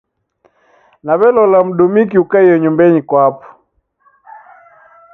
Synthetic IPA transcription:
naβɛlɔlam̩ɗumik̬iukaijɔɲumbɛɲikwapɔ̥

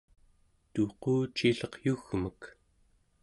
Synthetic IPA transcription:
t̪uquːt͡ʃiɬʌqjuɣmək

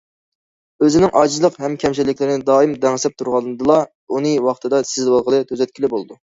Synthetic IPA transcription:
øzɪnɪŋʔɑːd͡ʒizlˠəqhɛmkʲʰɛmt͡ʃilːɪkʲlɪɾɪnɪd̪ɑːimd̪ɛŋsɛp̚t̪ʰuɾʁɑnd̪ɨlˠɑ | unɨwɑχt̪ʰɨd̪ɑsɪzlɪwɑlˠʁəlˠɨt̪ʰøzɛt̪̚kʲilɪbolˠɨd̪u

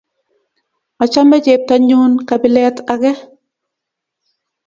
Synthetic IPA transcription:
at͡ʃamɛd͡ʒep̚taɲuːnkabɪlɛtaɡɛ

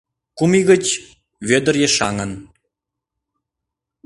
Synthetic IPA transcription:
kumiɣət͡ɕ | βød̪ərjeʃɑ̰ŋən

